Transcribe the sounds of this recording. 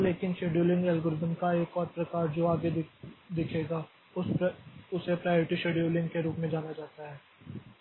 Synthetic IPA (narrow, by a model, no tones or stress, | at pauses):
leːkɪnʃeːɖjuːlɪ̃ŋɡɛlɡoːɾɪzəmkaeːkɔːɾpɾɐkaːɾd͡ʒoːaːɡed̪ɪkʰeːɡaː | ʊsepɾaːjoːɾɪʈiʃeːɖjuːlɪ̃ŋɡkeɾuːpmẽd͡ʒaːnad͡ʒaːt̪aɦɛː